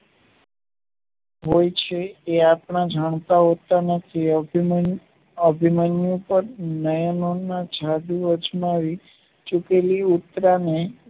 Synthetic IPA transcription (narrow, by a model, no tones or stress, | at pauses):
ɦojt͡ʃʰeːapɳad͡ʒʱaɳ̃t̪aɦot̪anət̪ʰi | əbʱimanjũpəɾnəjənonːad͡ʒʱad̪uəd͡ʒmaʋi | t͡ʃukeliut̪ɾane